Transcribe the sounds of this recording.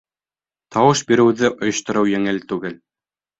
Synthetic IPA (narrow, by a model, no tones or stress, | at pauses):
t̪ɑwɤʃbiɾɘ̆wðɘʔŏjŏʃt̪ŏɾɤwjæŋɘlt̪ʉɡɘl